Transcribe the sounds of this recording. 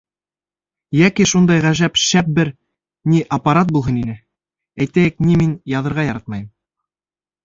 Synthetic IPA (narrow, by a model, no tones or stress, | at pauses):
jækiʃund̪ɑjʁæʒæpʃæp̚bɘɾ | niʔɐpaɾat̪̚bulˠɦɤninɘ | æjt̪æjɘkniminjɑðɤ̆ɾʁɑjɑɾɑt̪̚mɑjɤm